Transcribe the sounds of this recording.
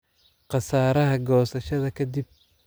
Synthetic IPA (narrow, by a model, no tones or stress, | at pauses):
qɑsaːɾɐɦɐɡɔːsɐʃɐðɐkʰɐd̪ib̚